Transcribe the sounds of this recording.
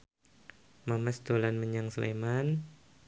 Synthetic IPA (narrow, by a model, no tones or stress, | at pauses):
mamɛsd̪̥olanməɲaŋsəlḛman